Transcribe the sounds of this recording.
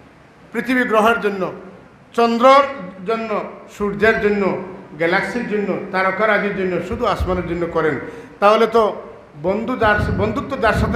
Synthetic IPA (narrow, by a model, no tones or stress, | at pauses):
pɾit̪ʰibiɡɾɔɦɔɾd͡ʒonːɔ | t͡ʃɔnd̪ɾɔd͡ʒɔnːɔsuɾd͡ʒaɾd͡ʒonːɔɡelaksiɾd͡ʒonːɔt̪aɾɔkaɾad͡ʒiɾd͡ʒonːɔʃud̪ʱuasmanɔɾd͡ʒonːɔkɔɾent̪aɦolet̪ɔ | bɔnd̪ud̪aɾbɔnd̪ʱuk̚t̪ɔd̪aɾsɔk